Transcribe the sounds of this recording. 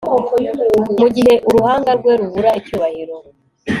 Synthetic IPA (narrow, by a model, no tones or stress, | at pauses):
muɟiɦe̞ʔuɾuhaːŋɡaɾɡwe̞ɾuβuɾaicuːβahiɾo